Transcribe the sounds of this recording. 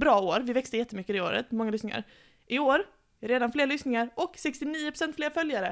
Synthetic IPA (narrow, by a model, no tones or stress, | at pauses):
bɾɑːoːɾvɪvɛkst̪əjɛt̪ːəmʏkːəd̪ɪoːɾə̰t̪mɔŋːalʏsnɪŋa̰ɾ | ʔɪoːɾ | ɾeːd̪anfleːɾlʏsnɪŋaɾʔɔksɛkst̪ɪniːʊpʰɾʊ̥sɛnt̪fleːɾfœljaɾə